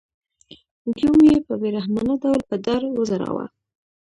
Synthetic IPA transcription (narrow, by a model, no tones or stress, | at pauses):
ɡjumjepəbeɾahmɑnəd̪awlpəd̪ɑɾwəzaɾɑ̰wa̰